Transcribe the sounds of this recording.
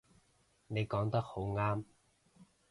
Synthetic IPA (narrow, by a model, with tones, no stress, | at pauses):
ne˨˧jkɔː˨˥ŋt̪ɐ˥k̚ho˨˥wŋaː˥m